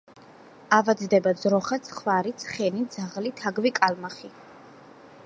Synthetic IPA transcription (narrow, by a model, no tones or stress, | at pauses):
avad̪zd̪ɛbad̪zɾɔχat̪sʰχvaɾit̪sʰχɛnid̪zaʁlit̪ʰaɡvikʼalmaχi